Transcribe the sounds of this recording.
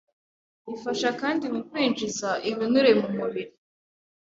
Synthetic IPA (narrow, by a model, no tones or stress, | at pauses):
βifaʃakaːndimukwiːnd͡ʒizaʔiβinuɾe̞mumuβiɾi